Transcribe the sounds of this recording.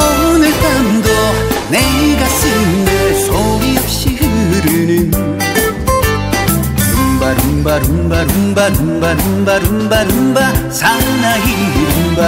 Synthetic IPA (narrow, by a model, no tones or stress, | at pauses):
ʌɯnet̪amd̪o | neɡasɯndesoɡiʌp̚ɕihɯɾɯnɯn | ɾɯmbaɾɯmbaɾɯmbaɾɯmbaɾɯmbaɾɯmbaɾɯmbaɾɯmbasaŋnaɦi | ɾɯmba